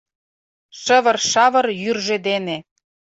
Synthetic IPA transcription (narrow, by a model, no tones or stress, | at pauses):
ʃə̆βə̆rʃɑβɤ̆rjyrʒĕd̪ene